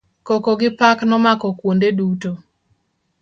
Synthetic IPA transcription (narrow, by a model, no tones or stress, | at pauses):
kokɔɡɪpaknɔmakɔkwondeduto